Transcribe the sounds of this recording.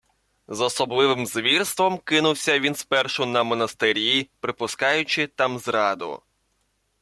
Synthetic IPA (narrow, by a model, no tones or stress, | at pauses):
zɔsɔblˠɪʋɪmzʋʲirst̪ʋɔmkɪnʊwsʲɐʋʲinspɛrʃʊnɐmɔnɐst̪ɪɾʲipɾɪpʊskɑjʊt͡ʃɪt̪ɑmzɾɑd̪ʊ̰